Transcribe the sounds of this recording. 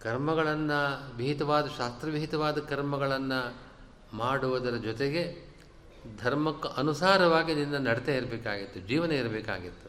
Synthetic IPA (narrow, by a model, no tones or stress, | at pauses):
kɐɾmɐɡɐɭɐnːɐʋiɦit̪ɐʋaːd̪ɐʃaːst̪ɾɐʋiɦit̪ɐʋaːd̪ɐkɐɾmɐɡɐɭɐnːɐ | maːɽuʋɐd̪ɐɾɐd͡ʒɔt̪eɡe̞ | d̪ʱɐɾmɐkːɐʔɐnusaːɾɐʋaːɡininːɐnɐɽt̪eiɾɐbeːka̰ːɡit̪ːud͡ʒiːʋɐnɐiɾɐbɛːka̰ːɡit̪ːu̥